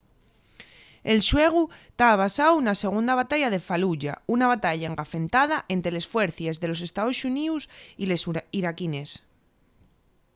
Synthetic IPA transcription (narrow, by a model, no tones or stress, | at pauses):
e̞lʃwe̞ɣ̞ut̪aβasawunase̞ɣ̞und̪aβat̪aʎað̞e̞faluʝaunaβat̪aʎaeŋɡafe̞nt̪að̞aʔe̞nt̪ɾe̞le̞sfwe̞ɾθjezðe̞lo̞s̬e̞st̪aðosuniusilesiɾakines